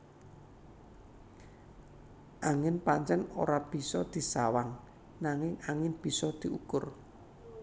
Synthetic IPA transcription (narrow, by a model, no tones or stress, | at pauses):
ʔaŋɪnpaɲt͡ʃɛno̰ɾab̥i̤sɔd̪̥i̤sawaŋ | naŋɪŋaŋɪŋb̥i̤sɔd̪̥i̤ukʊr